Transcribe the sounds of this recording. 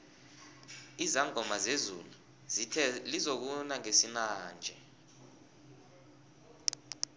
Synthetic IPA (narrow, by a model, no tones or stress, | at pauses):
izaŋʱɔmazezṵlu | lizok̬unaŋesinaːnd͡ʒʱɛ